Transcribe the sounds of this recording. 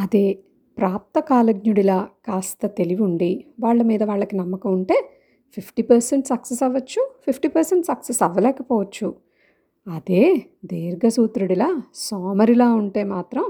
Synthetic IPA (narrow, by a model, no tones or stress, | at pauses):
ɐd̪e̞ː | pɾaːp̚t̪ɐkaːlɐɡɲuɽilaːkaːst̪ɐt̪e̞liʋuɳɖiʋaːɭːɐmiːd̪ɐʋaːɭːɐkinɐmːɐkɐmuɳʈe̞ː | pʰipʰʈipɐɾseɳʈsɐksesɐʋːɐt͡ʃːupʰipʰʈiːpɐɾseɳʈsɐksesɐʋɐlɛːkɐpɔːʋɐt͡ʃːu | ɐd̪eːd̪eːɾɡɐsuːt̪ɾuɽilaːsoːmɐɾilaːuɳʈe̞ːmaːt̪ɾɐm